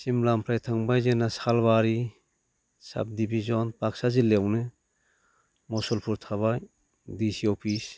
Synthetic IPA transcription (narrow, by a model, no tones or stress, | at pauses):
simlampʰɾajtʰaŋbajzenasalbaɾi | sa̰b̚dibizɔnpʰak̚sazilewnɯ | mɔsɔlpʰuɾtʰaβaj | disiɔpʰis